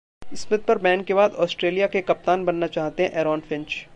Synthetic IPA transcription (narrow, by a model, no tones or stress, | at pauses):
ɪsmɪt̪̚pɐɾbɛ̃ːnkebaːd̪ɔːsʈɾeːlijakekɐp̚t̪aːnbɐnːat͡ʃaːɦt̪eɦɛ̃ʔɛːɾɔːnfɪ̃ɲt͡ʃ